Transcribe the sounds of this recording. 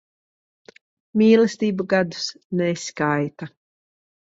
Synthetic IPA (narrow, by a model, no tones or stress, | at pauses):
miːlˠɛst̪iːbuɡad̪u̥s | nɛskajt̪a